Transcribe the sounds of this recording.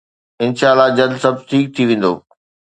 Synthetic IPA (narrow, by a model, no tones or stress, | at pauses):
ɪnʃaːlad͡ʑɐld̪sɐb̚ʱʈ̪ʰiːk̚t̪ʰiʋẽːn̆d̪o̰ː